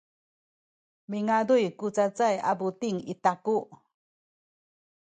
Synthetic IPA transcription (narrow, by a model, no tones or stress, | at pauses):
miŋadujkut͡sat͡sajabutiŋitaku